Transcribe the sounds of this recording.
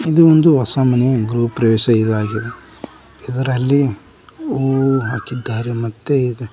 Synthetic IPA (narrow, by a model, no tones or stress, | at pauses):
id̪uond̪uʋɐsaːmɐnɛjɐɡɾuːpːɾɐjoːʃɐid̪aːɡid̪e | id̪ɐɾɐlːi | oːɦaːkid̪ːaːɾemɐt̪ːeid̪e